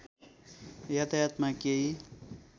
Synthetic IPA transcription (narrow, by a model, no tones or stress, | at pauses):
jat̪ajat̪makei